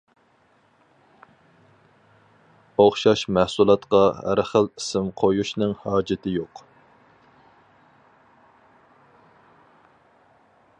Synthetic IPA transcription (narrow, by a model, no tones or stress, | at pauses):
oχʃɑʃmæhsulˠɑt̪qɑæ̰ɾχəlisɪmqʰojuʃnɪŋhɑːd͡ʒɪt̪ʰɪjoq